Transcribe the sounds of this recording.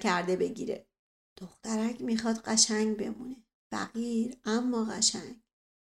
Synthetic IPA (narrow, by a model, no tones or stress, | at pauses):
kʰæɾd̪e̞be̞ɟḭːɾe̞̰ | d̪̥oxt̪æɾækʰmixɒːd̪ɢæʃæŋɡbe̞̰mune̞ | fæ̰ɣiːɾæmːɒːɣæʃæŋɡ